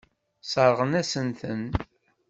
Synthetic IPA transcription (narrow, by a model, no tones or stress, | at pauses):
sˤəɾˤʁənæsənθən